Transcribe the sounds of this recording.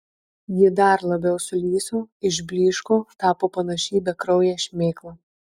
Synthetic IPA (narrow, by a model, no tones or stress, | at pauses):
jɪd̪ɐɾlˠɐbʲɛʊsʊlʲiːsoːɪʒʲbʲlʲiːʃkot̪ɑːpoːpɐnɐʃʲiːbʲɛkɾɔʊjɛʃʲmʲeːklˠɐ